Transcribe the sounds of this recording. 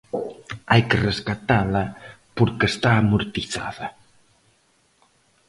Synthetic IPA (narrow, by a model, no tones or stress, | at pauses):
ajkəreskat̪alɐpuɾkest̪aːmuɾt̪iθa̰ðɐ